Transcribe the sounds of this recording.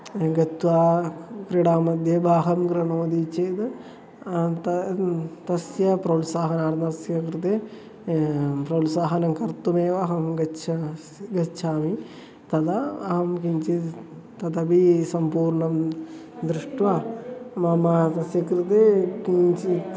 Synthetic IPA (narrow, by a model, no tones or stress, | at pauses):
ɡɐt̪ʋaːkɾiɽaːmɐd̪ʱjɐbaːɦɐmkɾɐɳoːd̪it͡ʃeːt̪ɨ | t̪ɐt̪ɐsjɐpɾɐwlsaːɦɐnaːɾnɐɐsjɐkɾɨt̪eː | pɾɐwlsaːɦɐnɐmkɐɾt̪umeːʋɐɦɐmɡɐt͡ʃʰɐ | ɡɐt͡ʃʰaːmi | t̪ɐd̪ɐːɦɐmkiɲt͡ʃi | t̪ɐt̪ɐbisɐmpuːɾɳɐm | d̪ɾɪʂʈʋaːmɐmɐt̪ɐsjɐkɾɪt̪eːkit͡ʃi